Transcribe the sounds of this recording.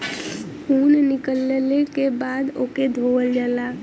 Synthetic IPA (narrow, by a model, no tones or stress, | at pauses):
huːnnɪkəlːlekebaːd̪oːked̪ʱoːʋəld͡ʒaːlaː